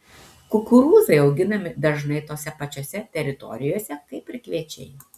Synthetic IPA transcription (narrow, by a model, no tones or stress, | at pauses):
kʊkʊɾuːzɐɪɐʊɡʲɪnɐmʲɪd̪ɐʒnɐɪt̪oːsʲɛpɐt͡ʃʲoːsʲɛt̪ʲɛɾʲɪt̪ɔ̰ɾʲɪjoːsʲɛkɐɪpʲɾʲɪkʋʲiɛt͡ʃʲɛ̰ɪ